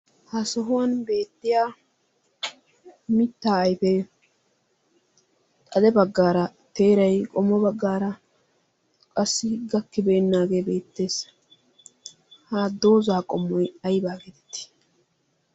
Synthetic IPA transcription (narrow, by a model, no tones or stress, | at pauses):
hasɔɦʊwɐnbe̞ːt̪ːɪjaː | mɪt̪ːaːɐjpɛ | t̪ʼɐd̪ɛbɐɡːaːɾɐt̪e̞ːɾɐjkʼɔmːɔbɐɡːaːɾɐ | kʼɐsːɪɡɐkːɪbeːnːaːɡe̞ːbe̞ːt̪ːe̞ːs | haːd̪o̞ːzaːkʼɔmːɔjɐjbaːɡɛd̪ɛt̪ːɪ̥